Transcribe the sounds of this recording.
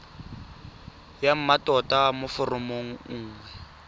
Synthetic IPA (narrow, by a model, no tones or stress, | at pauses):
jam̩matʼɔtʼamʊfʊrʊmoŋ̩ŋ̩ːŋwɛ